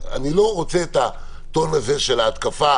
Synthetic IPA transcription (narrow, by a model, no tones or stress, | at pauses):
a̰nilo̞ʁot͡seːt̪a | t̪o̞naze̞ʃelaːt̪kafa